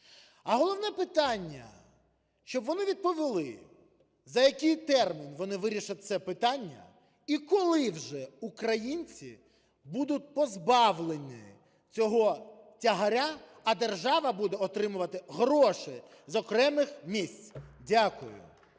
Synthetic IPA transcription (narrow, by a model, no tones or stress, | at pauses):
ɐɦɔlˠɔwnɛpɪt̪ɑnʲːɐ̰ | ʃt͡ʃɔbʋɔnɪʋʲid̪̚pɔʋʲɪlˠɪ̰ | zɐjɐkɪjt̪ɛrmʲinʋɔnɪʋɪɾʲiʃɐt̚ʲt̪sɛpɪt̪ɑnʲːɐ̰ | ikɔlˠɪwʒɛukɾɐjinʲt͡sʲḭ | bud̪ʊt̚ʲpɔzbɑʋlˠenʲɪ̰ | t͡sʲɔɦɔ | tʲɐɦɐɾʲaː | d̪e̞rʒɑʋɐbud̪ɛɔt̪ɾɪmʊʋɐt̪ɪɦɾɔʃɪ | zɔkɾɛmɪxmʲisʲt͡sʲdʲakʊjʊ̰